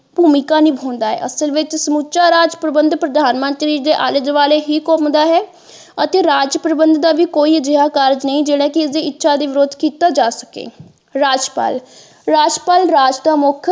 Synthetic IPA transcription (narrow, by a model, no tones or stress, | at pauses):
bʱuːmɪkaːnĩːbʱoːnd̪aːɦɛ̰ːʔəsəlʋɪt͡ʃsəmut͡ʃaːɾaːd͡ʒpɾəbənd̪pɾəd̪ʱaːnmənt̪ɾiːd̪eːʔaːləd͡ʒʋaːleːɦiːkoːmd̪aːɦɛː | ət̪eːɾaːd͡ʒpɾəbənd̪d̪aːʋiːkoːiːəd͡ʒɪɦaːkaːɾd͡ʒnəĩːd͡ʒeːɽaːkɪɪsd̪eːɪtːʃʰaːd̪iːʋɪɾoːd̪ʱkiːt̪aːd͡ʒaːsə̥kḛː | ɾaːd͡ʒpa̰ːl | ɾaːd͡ʒpaːlɾaːd͡ʒd̪aːmʊkʰ